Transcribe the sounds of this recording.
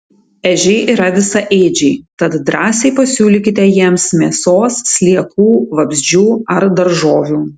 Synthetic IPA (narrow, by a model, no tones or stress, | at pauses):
ɛʒʲɛɪʔiːɾɐʋʲɪsɐʔeːd͡ʒʲɛɪt̪ɐt̪d̪ɾɑːsʲɛɪpɐsʲuːlʲikʲɪt̪ʲɛjiɛmsmʲiːsoːsːʲlʲiɛkuːʋɐbʲzʲd͡ʒʲuːɐɾd̪ɐɾʒoːʋʲuː